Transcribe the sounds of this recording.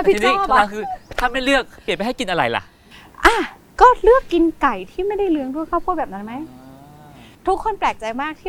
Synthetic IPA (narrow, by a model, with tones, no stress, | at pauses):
pi˦˧niː˦˥˩a˧kʰɯː˧t̪ʰaː˥˩ma˥˩jlɯ˥˩ək̚pːi˨˩t̚pjɦa˥˩jki˧nʔa˧ɾa̰˨˧˩jla̰˨˧˦ʔ | ʔaː˧˩ | kɔː˥˩lɯ˥˩əkːi˧nka˨˩jt̪ʰiː˥˩ma˥˩jda˥˩jlɯ˧˥əŋdu˥˩jkʰa˥˩pʰu˥˩t̚bɛː˨˩p̚na˦˥nma˦˥j | t̪ʰu˦˥kʰːo˧˥˨nplɛː˨˩k̚t͡ɕa˧jmaː˥˩k̚t̪ʰiː˥˩